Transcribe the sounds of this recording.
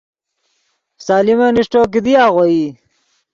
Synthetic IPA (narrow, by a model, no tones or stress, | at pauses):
saːlimeniʂʈoːk̬id̪iaːɣwoi